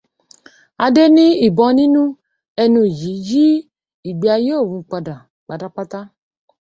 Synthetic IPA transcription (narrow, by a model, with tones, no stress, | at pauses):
a˧de˦nĩ˦i˦˨bɔ̃˧nĩ˦nũ˦ | ɛ˧nũ˧˨d͡ʒi˨˦d͡ʒi˦ | i˨ɡ͡bi˨˦a˧je˦o˦˨wũ˧k͡pa˧da˨ | k͡pa˨da˨k͡pa˦t̪a˦